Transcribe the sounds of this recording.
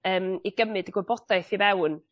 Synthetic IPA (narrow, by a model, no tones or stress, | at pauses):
əːmiɡ̥əmɨdiɡwɛbɔd̥aɨθivɛwn